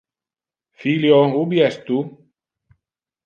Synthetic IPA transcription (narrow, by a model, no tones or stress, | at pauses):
filjoubjɛst̪u